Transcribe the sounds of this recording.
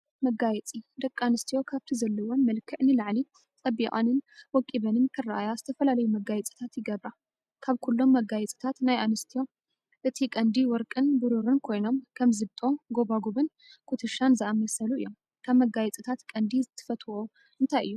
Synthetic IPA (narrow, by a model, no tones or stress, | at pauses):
mɐɡajɛt͡sʼid̪ɐkʼːanɨst̪ʰijo̞kʰaβt̪ʰizɐlːɐwonmɐlkʰɨʕnɨlaʕli | t͡sʼɐbikʼa̰nɨnwɔkʼːiβɐnɨnkʰɨraʔajazɨt̪ʰɐfɐlalɐjumɐɡajɛt͡sʼi̥t̪ʰat̪jɪɡɐβɾa | kʰaβkʰulːo̞mːɐɡajɛt͡sʼi̥t̪ʰat̪najʔanɨst̪ʰijo̞ | ʔɨt̪ʰikʼɐnd̪iwɔɾkʼɨnbɨɾuɾɨnkʰo̞jno̞mkʰɐmzɨβt̪ʼo̞ɡo̞βaɡuβɨn | kʰut̪ʰɨʃanzɐʔamːɐsɐluɨjːo̞m | kʰaβmɐɡajɛt͡sʼit̪ʰat̪kʼɐnd̪izɨt̪ʰːɨ̥fɐt̪ʰo | ʔɨnt̪ʰajɨjːu